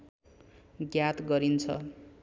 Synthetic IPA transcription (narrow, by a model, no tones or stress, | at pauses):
ɡjat̪ɡʌɾint͡sʰʌ̰